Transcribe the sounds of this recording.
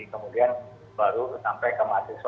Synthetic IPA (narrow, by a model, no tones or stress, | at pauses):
ikəmudian | baɾusampajkəmat̪is